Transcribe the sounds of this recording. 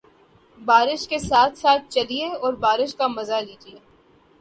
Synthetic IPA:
baːɾɪʃkesaːt̪ʰsaːt̪̚t͡ʃɐlieɔːɾbaːɾɪʃkamɐzaliːd͡ʒieː

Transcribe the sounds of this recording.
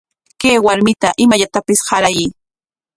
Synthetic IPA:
keːwaɾmɪt̪aʔɪmaʎat̪apɪshɑɾaji

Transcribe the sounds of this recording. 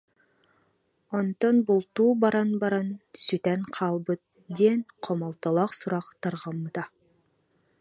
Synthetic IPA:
ont̪onbulˠt̪uːbɑɾɑnbɑɾɑnsyt̪ænqʰɑlˠbɯt̪ | d̪enqʰomɑlˠt̪ɑlˠɑqsuɾɑqt̪ɑɾʁɑmːɯt̪ɑ

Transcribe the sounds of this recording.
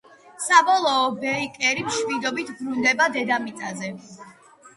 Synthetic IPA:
sabɔlˠɔːbɛikʼɛɾimʃmid̪ɔbit̪ʰbɾund̪ɛbad̪ɛd̪amit̪sʼazɛ

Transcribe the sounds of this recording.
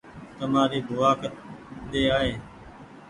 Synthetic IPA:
t̪əmaːɾiːbʱʊʋaːkəd̪eːaːɦeː

